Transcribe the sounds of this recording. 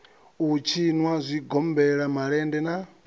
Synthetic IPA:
ut͡ʃʰinwazʷiɡɔmbɛɺamaɺɛndɛna

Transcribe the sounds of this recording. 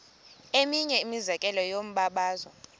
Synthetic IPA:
emiɲɛimizɛkʼɛlɔjom̩ɓaɓaːzwa

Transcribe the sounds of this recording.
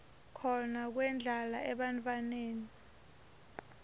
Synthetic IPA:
kʰɔnak̬wɛnd͡ɮʱalaʔɛɓantʼwaneːni

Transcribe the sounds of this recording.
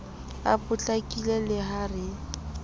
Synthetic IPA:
a̰pʼʊt͡ɬʼakʼilɛlɪɦarɪ

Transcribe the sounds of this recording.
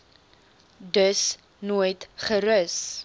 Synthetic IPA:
dəs | nuːjtχəɾəs

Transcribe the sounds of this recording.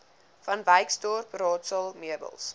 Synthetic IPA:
fɐnvəjkstɔrprɑːtsəlˠmiədə̰lˠs

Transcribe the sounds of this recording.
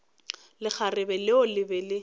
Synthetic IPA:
lɪk͡xʰarɪbɛlɪʊlɪbɛlɪ

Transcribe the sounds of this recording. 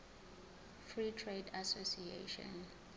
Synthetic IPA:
fɹitʰredasosiḛʃɔ̰̃n

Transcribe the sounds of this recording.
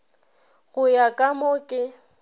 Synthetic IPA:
ɣʊjakʼamokʼɪ

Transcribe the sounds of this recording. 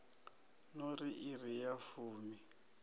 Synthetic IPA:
nɔriʔirijafuːmi

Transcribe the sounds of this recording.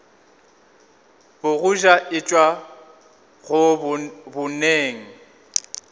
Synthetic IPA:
bʊɣʊʒaʔɪt͡ʃʼwa | ɣʊ | bʊneːŋ̩

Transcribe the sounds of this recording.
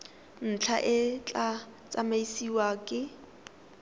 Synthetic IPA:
n̩t͡ɬʰaʔɪt͡ɬʼa | t͡sʼamaisiwakʼɪ

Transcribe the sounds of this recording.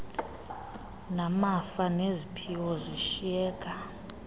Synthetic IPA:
namafanezipʰiwɔziʃiɛːkʼa

